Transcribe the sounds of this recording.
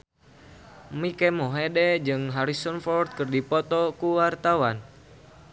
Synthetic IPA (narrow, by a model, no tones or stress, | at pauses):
mikɛmɔɦedɛd͡ʒɨŋɦaɾisɔnfɔrt̪̚kɨrdipɔt̪ɔkuwart̪awan